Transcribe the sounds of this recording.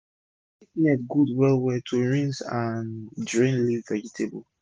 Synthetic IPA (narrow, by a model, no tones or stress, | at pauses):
itnɛtɡudwɛlwɛtʰuɹĩnzãndɹĩnlivːɛd͡ʒitʰebl